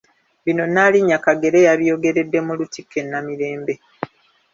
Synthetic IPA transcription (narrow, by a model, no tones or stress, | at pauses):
βino̞naliɲːakaɡe̞ɾe̞jaβijo̞ɡe̞ɾe̞dːe̞mulutikːe̞nːamiɾe̞ːmbe̞